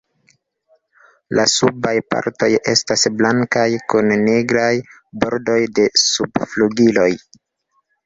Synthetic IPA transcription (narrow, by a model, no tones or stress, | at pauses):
lʔasubajpa̰ɾto̞je̞̰stasblaŋkajkunːe̞ɡɾaj | bo̞ɾdo̞jde̞subfluɡilo̞j